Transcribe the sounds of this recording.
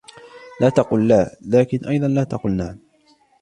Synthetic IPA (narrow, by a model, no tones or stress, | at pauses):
laːt̪ɑquːlːaːlaːkɪnʔɑjðˤɑnlaːt̪ɑqʊlnaʕn